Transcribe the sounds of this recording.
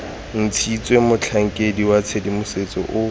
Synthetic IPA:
n̩t͡sʰit͡sʼwemʊt͡ɬʰaŋ̩kʼediwat͡sʰedimʊset͡sʼɔ̰ʔʊ

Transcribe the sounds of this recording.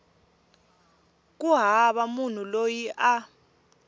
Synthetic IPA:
k̬ʼuɦaɓamun̤ulojiʔa

